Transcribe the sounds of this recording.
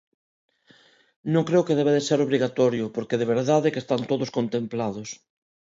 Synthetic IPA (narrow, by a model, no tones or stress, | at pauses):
nõŋkɾeokeðeβeðeseɾoβɾiɣat̪ɔɾjʊpoɾkeðeβ̞eɾðaðekest̪ant̪oðoskont̪ẽmplaðos